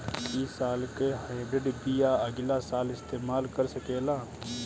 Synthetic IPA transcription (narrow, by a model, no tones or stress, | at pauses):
isaːlkeɦaːɪbɾɪɖbijaəɡɪlasaːlɪst̪eːmaːlkəɾsəkeːlaː